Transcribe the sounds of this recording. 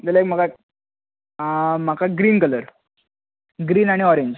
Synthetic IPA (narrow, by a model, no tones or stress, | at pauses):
d̪elaekm̤aka | m̤akʰaɡɾiːnkələɾ | ɡɾiːnaɽ̃iɔɾeɲd͡ʑ